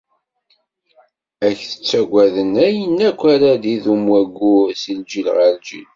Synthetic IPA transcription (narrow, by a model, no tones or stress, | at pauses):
æçθə̥t͡sːæɡʷæðənæjənːækʷːæɾaðiðumwæɡʷusild͡ʒilʁəɾd͡ʒḭl